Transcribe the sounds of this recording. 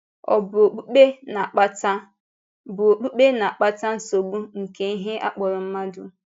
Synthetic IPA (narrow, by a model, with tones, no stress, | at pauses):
ɔ̰˨bʊ˨o˨k͡pu˦k͡pe˦na˨k͡pa˦ta˦ | bʊ˨o˨k͡pu˦k͡pe˦na˨a˨k͡pa˦ta˦n̩˦so˨ɡ͡bu˦ŋ̩˨ke˨i˦ɦe˦ʔa̰˦k͡pɔ˨ɾʊ˨m̩˦ma˦dʊ˦